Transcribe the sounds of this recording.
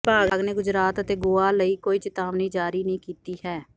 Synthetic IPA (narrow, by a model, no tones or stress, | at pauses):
paːɡɡneːɡʊd͡ʒɾaːt̪ət̪eːɡʊaːləiːkoːiːt͡ʃɪt̪aːʋnĩːd͡ʒaːɾiːnəɦĩːkiːt̪iːhɛː